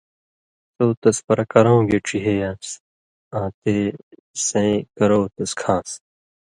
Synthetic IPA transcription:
t̪oːt̪ɐspɐɾɐkɐɾõːɡeʈ͡ʂʰiɦejas | ãːt̪eː | sẽikɐɾoːt̪ɐskʰãːs

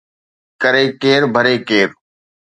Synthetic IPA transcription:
kəɾeːkeːɾbʱəɾeːkeːɾ

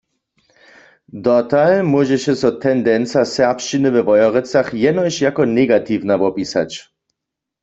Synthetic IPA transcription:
d̪ɔt̪almwɔʒɛʃɛsɔt̪ʰɛnd̪ɛnt͡sasɛʁpʃt͡ʃinɨvɛvɔjɔʁɛt͡saχjɛnɔjɕjakɔnɛɡat̪ivnavɔpisa̰t͡ɕ

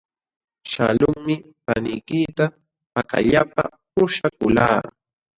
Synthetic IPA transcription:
ʃa̰lʊŋmɪ | panɪjkɪt̪a | paka̰ʎapa̰pʊʃakʊlaː

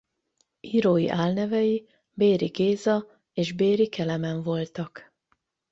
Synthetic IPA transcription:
iːɾoːjḭʔaːlnɛvɛji | beːɾiɡeːzɒ | eːʒbeːɾikɛlɛmɛɱvo̞lt̪ɒk

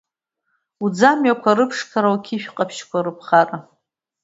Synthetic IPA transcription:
ud͡zamɥakʷʰaɾɨpʰʂkʰaɾawkʲʰiʃᶣqʼapʰʃkʷʰaɾɨpʰχara

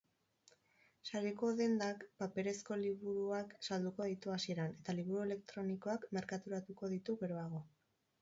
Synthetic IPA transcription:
saɾeko̞ðe̞nd̪akpape̞ɾe̞sko̞liβuɾuaksald̪uko̞ðit̪uasie̞ɾane̞t̪aliβ̞uɾue̞le̞k̚t̪ɾo̞niko̞akme̞ɾkat̪uɾat̪uko̞ðit̪uɣe̞ɾo̞aɣ̞o̞

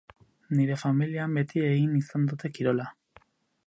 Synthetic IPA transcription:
niɾe̞familiambe̞t̪ʰie̞ɣinisand̪ut̪e̞kiɾo̞la

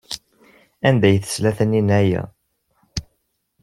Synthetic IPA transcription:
ænd̪æjθə̥slæθəninæjæ̰

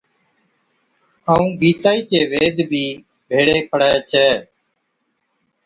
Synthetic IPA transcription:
aːũːɡiːt̪aːiːt͡ʃeːʋeːd̪ʱbʱiː | bʱeːɽeːpʰəɽaːjt͡ʃʰɛː

